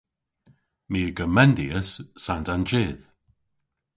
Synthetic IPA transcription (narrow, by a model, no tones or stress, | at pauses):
miːɡəmɛndiəsːantand͡ʒɪːð̥